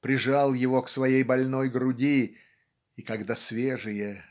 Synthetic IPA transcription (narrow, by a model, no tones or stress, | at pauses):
pɾʲɪʐɑlˠjɪvo̞ksvɐjejbɐlʲno̞jɡɾʊdʲi | ikɐɡd̪asvʲeʐɨjə